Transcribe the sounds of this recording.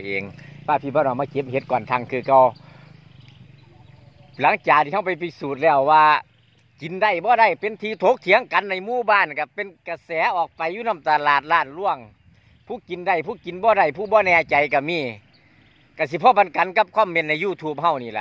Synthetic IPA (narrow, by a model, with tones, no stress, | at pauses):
ʔeː˨ŋpaː˧˩pʰi˧bɔː˧˨nɔː˧˩maː˧˨ke˧˦p̚he˧˦t̪̚kɔː˨nt̪ʰa˧˩ŋkʰɯː˧˩kɔ˧˩w | la˨˦ŋt͡ɕaː˨˩k̚t̪ʰiː˧ha˧˨wpa˨jpʰi˧˩suː˨˩t̪̚lɛː˧˩wːaː˧ | ki˨˦nda˧˩jbɔː˧˦da˧˨jpe˨nt̪ʰiː˧t̪ʰoː˨˧˦k̚kʰi˧˦ə˨ŋka˨˧˦nːa˧˨jmuː˧˨baː˧˥˨nka˧˩pe˧nka˧˩sɛː˨˦ʔɔː˨˩k̚pa˨˧jːuː˧˨na˧˥˨mt̪a˧laː˨˩t̪̚laː˧˩˨nlu˧˥˨əŋ | pʰuː˧˩˨ki˨nda˧˩jpʰuː˧˨ki˨nbɔː˧˦da˧˩jpʰuː˧˩bɔː˧˨nɛː˧˩t͡ɕa˨˦jka˧˩miː˧˩˨ | ka˧˩s̬i˧˦pʰɔː˧˥ba˨˧nka˨˦nka˧˦p̚kʰwaː˧˥˨mːe˧˨nːa˧˩juː˧˩t̪ʰuː˧˩p̚hɦa˧˩wniː˧˩la̰˧˦ʔ